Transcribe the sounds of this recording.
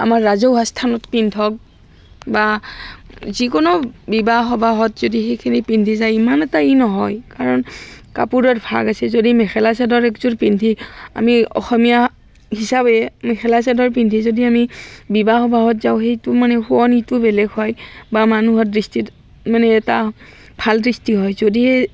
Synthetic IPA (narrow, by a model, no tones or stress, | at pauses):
a̰maɹːazowɦastʰanɔtpintʰɔk̚ | ba | zikɔnɔbibaxɔbʱaɦɔtzodixejkʰinipindʱizajimanɛtainɔɦɔjkaɹɔnka̰puɹɔtbʰʱa̰kasɛzodimɛxʰɛlasɛdɔɹɛkzuɹpindʱia̰miɔ̰xɔmija | hisabɛmɛxʰɛlas̬ɛdɔɹp̬indʱizodiamibibaxɔbaɦɔtzaʊxejtʊmanɛxuɔnitʊbɛlɛɡhɔjbamanuɦɔt̚dɹistit | manɛːta | bʱaldɹistiɦɔjzodihe